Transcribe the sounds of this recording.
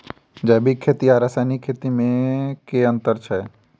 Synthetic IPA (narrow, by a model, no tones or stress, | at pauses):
d͡ʒɛːbʱikʰːeːt̪iaɾasanikʰeːt̪imẽkeə̃nt̪əɾt͡ʃʰɛ